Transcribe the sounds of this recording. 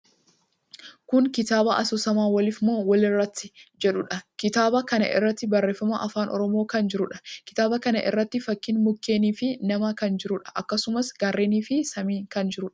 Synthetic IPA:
kʊŋkɪt̪aːbɐʔɐsuːsɐmaːwɐlɪfmoːwɐlɪrːɐt̪ːɪd͡ʒɛᶑʊᶑɐkɪt̪aːbɐkɐnɐ̰ʔɪ̰rːɐt̪ːɪbɐrːe̞ːfːɐmɐʔɐfaːnʔɔ̰ɾɔmo̞ːkɐnd͡ʒɪɾʊᶑɐ̥kɪ̥t̪aːbɐkɐnɐ̰ʔɪ̰rːɐt̪ːɪfɐkːɪnmʊkːe̞ːniːfɪnɐmɐkɐnd͡ʒɪɾʊᶑɐ̥ʔɐkːɐsʊmɐsɡ̥ɐrːeːniːfɪsɐmiːkɐnd͡ʒɪɾʊᶑɐ̥

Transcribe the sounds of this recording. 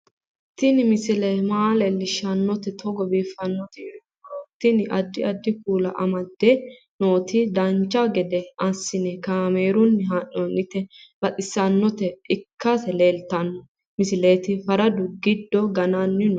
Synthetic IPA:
t̪ɪnɪmɪsɪlemaːleːlːɪʃːɐnːɔt̪ɛt̪ʰɔɡɔbiːfːɐnːɔt̪ɪːɾɪ | oːt̪ːɪnɪʔɐd̪ːɪɐd̪ːɪkuːlɐ̰ʔɐmɐd̪ːɛ | noːt̪ɪd̪ɐnt͡ʃːɐɡɛd̪ɛɐsːɪnɛkaːmeːɾʊnːɪɦanːoːnɪt̪ːɛb̥ɐt̪ʼɪsːɐnːɔt̪ɛɪkːɐsɛleːlt̪ɐnːɔ | mɪsɪleːt̪ɪfɐɾɐd̪ʊɡɪd̪ːɔɡɐnaːnːɪn

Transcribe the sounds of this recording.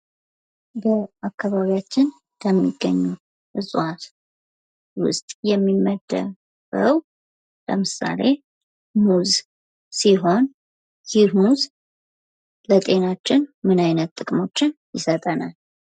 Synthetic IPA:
bəakːaβaβijat͡ʃːɪn | tʰəmːiɡːəɲːu | ʔɨsʼwat̪ | wʊ̰st̪ʼjɛmːimːəd̪ə̰ | βə̰w | ləmɨsa̰le̞ | muz | siɦo̞n | simuz | lət̪ʼe̞nat͡ʃːɪnmɨnajnət̪ːʼɨkʼmo̞t͡ʃːɪnjɪsət̪ʼənal

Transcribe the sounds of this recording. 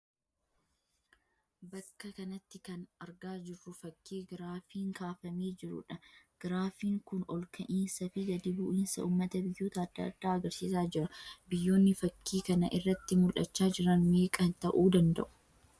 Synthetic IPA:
bɐkːɐkɐnɐt̪ːɪkɐnɐɾɡaːd͡ʒɪrːʊfɐkʰːiːɡɪɾaːfiːŋkaːfɐmeːd͡ʒɪɾʊ̰ᶑɐɡ̥ɪɾaːfiːŋkʊnɔlkʰɐʔiːnsɐfɪɡɐd̪iːbʊʔiːnsɐ̰uːmːɐt̪ɐbɪjːoːt̪ɐːd̪̥ːɐ̰d̪̥ːaːɐɡɐɾsiːsaːd͡ʒɪɾɐbɪjːoːnːɪfɐkʰːiːkɐnɐʔɪrːɐt̪ːɪmʊlʔɐt͡ʃːaːd͡ʒɪɾɐnmeːkʼɐnt̪ɐʔuːd̪ɐnd̪ɐ̰ʔʊ̥

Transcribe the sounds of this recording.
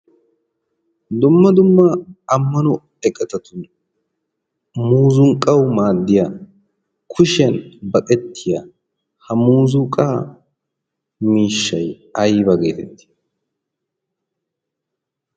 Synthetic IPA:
d̪ʊmːɐd̪ʊmːɐɐmːɐnʊ | ɛkʼːɛt̪ɐt̪ʊn | muːzʊŋkʼːɐwmaːd̪ːɪja | kʰʊʃɪɐnbɐkʼɛt̪ːɪjaː | hɐmuːzʊkʼa | miːʃːɐj | ɐjbɐɡḛːt̪ɛt̪ːi̥

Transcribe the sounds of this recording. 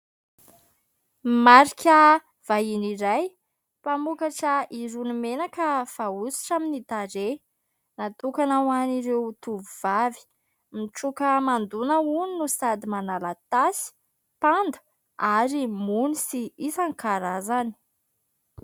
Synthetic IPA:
maɾikʲə | v̥ajiniɾaj | pamukaʈ͡ʂəiɾunimenakəv̥ausi̥ʈ͡ʂaminit̪aɾe | nat̪ukanawaniɾewt̪uvuvavi̥ | miʈ͡ʂukəmand̪unauninusad̪imanalat̪asi̥ | pand̪u̥ | aɾimunisiisaŋkaɾazani̥

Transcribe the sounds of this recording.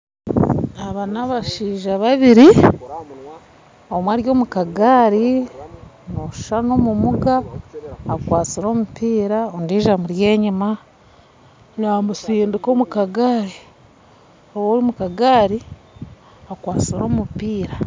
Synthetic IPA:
aβanaβaʃiːʒaβaβiɾi | o̞mwaːɾjo̞ːmukaɡaːɾi | noʃʃano̞mumuɡaː | kwaːt͡siɾo̞ːmupiːɾaondiːʒamuɾje̞ːɲima | namusiːndiko̞ːmukaɡaɾi | owoɾimukaɡaːɾi | akwaːt͡siɾo̞ːmupiːɾa

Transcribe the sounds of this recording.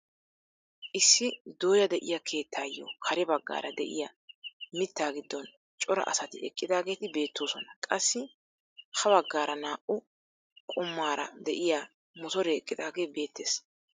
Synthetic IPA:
ʔɪsːɪd̪oːjɐd̪ɛʔɪjɐkʰe̞ːt̪ʰːaːjo̰ːkʰɐɾɛbɐɡːa̰ːɾɐd̪ɛ̰ʔɪ̰jamɪt̪ːaːɡɪd̪ːɔn | t͡ʃʼɔɾɐ̰ʔɐ̰sɐt̪ɪɛkʼːɪd̪aːɡe̞ːt̪ɪbe̞ːt̪ːoːsɔnɐkʼɐsːɪ | hɐbɐɡːaːɾɐnaːʔʊ | kʼʊmːaːɾɐd̪ɛʔɪjaː | mɔt̪ɔɾɛɛkʼːɪd̪aːɡe̞ːbe̞ːt̪ːe̞ːs

